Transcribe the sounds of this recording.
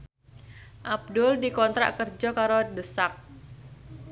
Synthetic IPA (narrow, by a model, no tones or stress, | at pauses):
ʔab̚dʊldikɔnt̪ɾa̰ʔkərd͡ʒɔkaɾodəsak̚